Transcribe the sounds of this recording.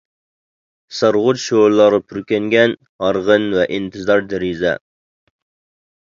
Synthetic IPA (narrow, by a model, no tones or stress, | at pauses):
sɑɾʁʊt̪ʃoɾlˠɑɾɨpʰuɾkʲɛŋɡʲɛn | hɑɾʁənvɛʔint̪ʰɨzɑɾd̪ɪɾizɛ̰